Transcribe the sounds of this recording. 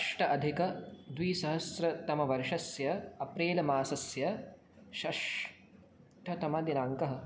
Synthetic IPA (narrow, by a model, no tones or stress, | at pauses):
ʂʈɐʔɐd̪ʱikɐd̪ʋiːsɐɦɐsɾɐt̪ɐmɐʋɐɾʂɐsjɐɐpɾeːlɐmaːsɐsjɐ | ʃɐʂ | ʈʰɐt̪ɐmɐd̪inaːŋkɐɦɐ̆